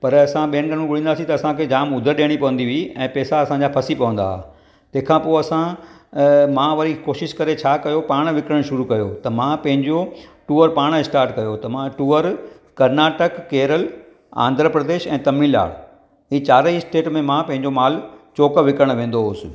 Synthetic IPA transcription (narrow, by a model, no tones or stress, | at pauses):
pɐɾɐsãɓiəɳɖəñũɡʊɽĩːnd̪aːsĩt̪ɐɐsãkʰeːd͡ʑaːmʊd̪ʱəɾɗeːɽ̃ipɐʋə̃n̆d̪iʋiiɛ̃ːpɛːsaɐsãɲd͡ʑaːpʰɐsipɐʋə̃nd̪a̰ːa̰ | t̪ɐ̃ɦkʰãpoːɐsã | mãʋɐɾikoːʃɪʃkɐɾet͡ɕʰaːkɐjopaːɽ̃ʋɪkɾəɽ̃ʃʊɾukɐjot̪ɐmãpɐ̃ɦɪ̃ɲd͡ʑoʈuːəɾpaːɽ̃ɪsʈaːɾʈkɐjot̪ɐmãʈuːəɾ | kɐɾnaːʈəkːeːɾəl | ã̰ːnd̪ʱɾəpɾɐd̪eːʃɛ̃ːt̪ɐmiːla̰ːɽ | ɦiːt͡ɕaːɾisʈeːʈmẽmãpɐ̃ɦɪ̃ɲ̆d͡ʑomaːlt͡ɕoːkəʋɪkɾəɽ̃ʋẽːn̆d̪oɦʊsɪ̆